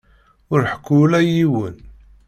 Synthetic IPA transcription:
ʊɾħə̥kːʊlæjiwən

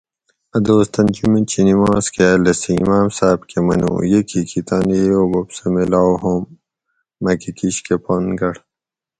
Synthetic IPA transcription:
ɐd̪oːst̪ɐnd͡ʒumit͡ɕinimãːskelɐsiimaːmsaːbkemɐno̰ːjekʰikʰit̪aːnejoːbopsemilaːwɦoːmː | ɐkikiɕkeponɡɐɽ

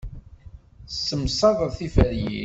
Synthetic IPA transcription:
sːəmsˤɑðˤəðθifæɾjḭ

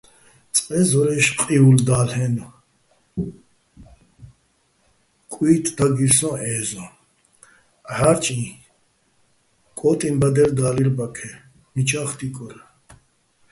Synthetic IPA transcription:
t͡sʼqʼɛzɔɾɛʃqʼiuld̪aːlhɛn | kʼwiːt̪ʰd̪aɡiɾsɔ̃ʔɛːzɔ̃ | ʕaɾt͡ʃʼĩ | kʼɔːt̪ʼimbad̪ɛɾd̪aːliɾbakʰɛ | mit͡ʃʰaχt̪ikʼɔɾ

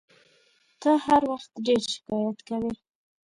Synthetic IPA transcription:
t̪əhaɾwaxt̪ɖeɾʃɪ̥kɑjat̪kawi

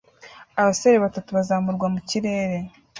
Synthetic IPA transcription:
aβaseɾeβatatuβazaːmuɾɡwamuciɾe̞ːɾe̞

